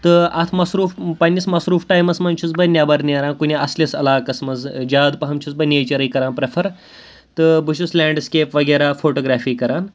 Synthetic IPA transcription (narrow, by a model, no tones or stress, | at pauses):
t̪ɨɐt̪ʰmɐsɾuːfpɐnʲːismɐsɾuːfʈajmɐsmɐnʲt͡ʃʰut͡sbɐjnʲjaːbɐɾniɾaːnkunʲiɐslʲesɐ̰laːkɐsmɐzd͡ʒaːd̪pɐɦɐmt͡ʃʰut͡sbɐjneːt͡ʃɐɾɐjkɐɾaːnpɾefʰɐɾ | t̪ɨbɨʃuslʲɛːɳɖskeːpʋɐɡɐɾafoːʈoːɡɾaːfiːkɐɾaːn